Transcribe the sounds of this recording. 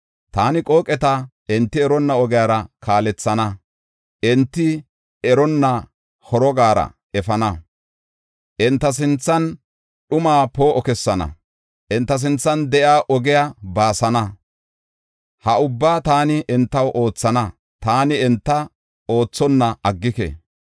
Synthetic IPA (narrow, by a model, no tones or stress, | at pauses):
t̪aːnɪkʼo̞ːkʼɛt̪aʔɛnt̪ːɪɛɾɔnːɐɔɡɪjaːɾɐkʰaːlɛt͡sːɐnɐ | ʔɛnt̪ːɪ | ɛɾɔnːɐ | hɔɾɔɡaːɾɐ̰ | ɛfɐnɐ | ʔɛnt̪ːɐs̬ɪnt͡sːɐn | ɗʊmaːpo̞ːʔɔkɛsːɐnɐ̰ | ʔɛnt̪ːɐs̬ɪnt͡sːɐnd̪ɛʔjaːʔɔɡɛjabaːsɐnɐ | hɐʊbːaːt̪aːnɪʔɛnt̪ːɐwʔo̞ːt͡sːɐnɐ | t̪aːnɪɛnt̪ːɐ | o̞ːt͡sːɔnːɐɐɡːɪkɛ̰